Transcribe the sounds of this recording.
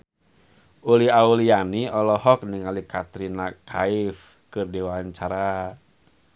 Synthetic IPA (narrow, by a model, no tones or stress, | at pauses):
uliaulianiɔlɔɦɔk̚niŋalikat̪ɾinakʰaif | kɨrdiwaɲt͡ʃaɾa